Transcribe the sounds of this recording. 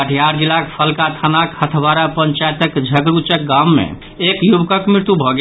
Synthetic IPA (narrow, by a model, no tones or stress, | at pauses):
əʈʰjaɾd͡ʒilakpʰəlkat̪ʰanakhət̪ʰbaɾapənt͡ʃaet̪əkd͡ʒʱəɡɾut͡ʃək̚ɡamːḛ | ekjubkəkmɾiɾt̪ubʱɔɡe